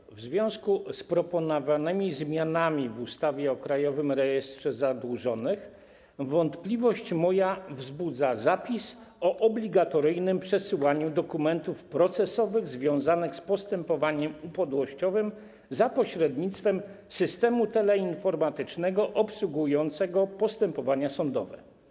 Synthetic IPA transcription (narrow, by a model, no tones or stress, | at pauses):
vzvʲjɔ̃w̃skuspɾɔpɔnɔvanɘmʲizmʲjanamʲivust̪avʲjɛɔkɾajɔvɘmɾɛjɛst̪ʂɛzad̪wuʐɔnɘx | vɔnt̪plʲivɔɕt͡ɕmɔjavzbud̪zazapʲis | ɔʔɔblʲiɡat̪ɔɾɘjnɘmpʂɛsɘwaɲud̪ɔkumɛnt̪ufpɾɔt̪sɛsɔvɘɣzvʲjɔ̃w̃zanɘxspɔst̪ɛmpɔvaɲɛmupɔd̪wɔɕt͡ɕɔvɘm | zapɔɕɾɛd̪ɲit̪st̪fɛm | sɘst̪ɛmut̪ɛlɛinfɔɾmat̪ɘt͡ʂnɛɡɔʔɔpswuɡujɔnt̪sɛɡɔpɔst̪ɛmpɔvaɲasɔnd̪ɔvɛ̰